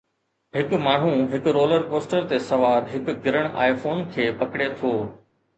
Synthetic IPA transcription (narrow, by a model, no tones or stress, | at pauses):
ɦɪkmaːɳ̤ũɦɪkɾoːləɾkoːsʈəɾt̪esɐʋaːɾɦɪkɡɪɾəɽ̃ʔa̰ːifoːnkʰeːpɐkɽet̪ʰoː